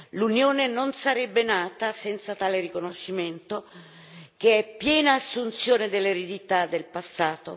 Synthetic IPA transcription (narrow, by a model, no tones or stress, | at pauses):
lunjoːnenonsaɾɛbːenaːt̪asɛnt̪sat̪aːlerikonoʃːiment̪o | k̟eɛpːjɛːnaːsːunt̪sjoːned̪elːeɾed̪it̪ad̪ːelpasːaːt̪o